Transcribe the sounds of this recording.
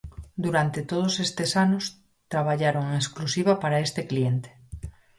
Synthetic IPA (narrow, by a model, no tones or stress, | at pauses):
d̪uɾant̪et̪oð̞osest̪esanos | t̪ɾaβ̞aʎaɾoŋeŋesklusiβapaɾaest̪eklient̪e̥